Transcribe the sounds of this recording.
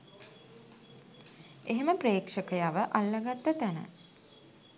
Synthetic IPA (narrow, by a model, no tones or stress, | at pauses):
eɦeməpreːkʂəkəjaʋəʔalːəɡat̪ːət̪ænə̰